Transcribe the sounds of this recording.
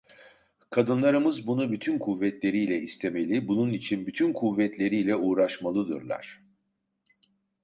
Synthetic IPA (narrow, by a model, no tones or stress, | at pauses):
kʰad̪ɯnlˠaɾɯmɯzbunubyt̪ʰynkʰuvːɛt̪lʲe̞ɾijlʲɛist̪ʰe̞me̞lʲibununit͡ʃʰinbyt̪ʰynkʰuvːɛt̪lʲe̞ɾijlʲɛuːɾaʃmalˠɯd̪ɯ̰ɾlˠa̰ɾ̥